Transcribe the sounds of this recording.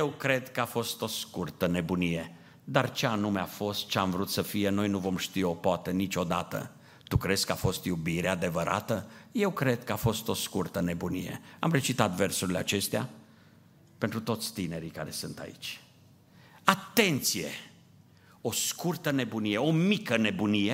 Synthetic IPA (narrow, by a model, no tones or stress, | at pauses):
jewkɾe̞d̪kəafo̞st̪o̞skurt̪əne̞bunije̞ | d̪art͡ʃeanumeafo̞st̪̚t͡ʃeamvɾut̪səfije̞no̞jnuvo̞mʃt̪io̞poat̪ənit͡ʃʲo̞d̪at̪ə̰ | t̪ukɾeskəafo̞st̪jubiɾead̪e̞vəɾʔa̰t̪əje̞wkɾe̞d̪̚kəafo̞st̪o̞skurt̪əne̞bunijḛa̰mre̞t͡ʃit̪at̪versuɾilea̰t͡ʃe̞st̪ea̰ | pent̪ɾut̪o̞t̪sʲt̪ine̞ɾikaɾe̞sɨnt̪a̰ḭt͡ʃʲ | at̪e̞nt̪sije̞̰ | o̞skurt̪əne̞bunije̞omikəne̞bunije